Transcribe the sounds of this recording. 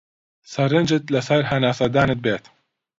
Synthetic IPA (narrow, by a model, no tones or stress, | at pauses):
sɐɾɪnd͡ʒɪt̪lasɐɾɦɐnaːsɐd̪aːnɨt̪̚beːt̪